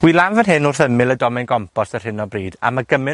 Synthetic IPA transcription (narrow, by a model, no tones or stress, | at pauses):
wilˠanvənɦɨnʊrθəmɪlˠədɔmɛnɡɔmpʰɔsər̥ɪnɔbriːda̰maɡəmɪ